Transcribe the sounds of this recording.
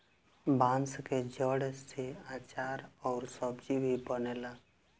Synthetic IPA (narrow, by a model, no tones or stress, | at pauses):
bãnsked͡ʒəɽest̪ʰiat͡ʃaɾɔːɾsəbd͡ʒibʱibənela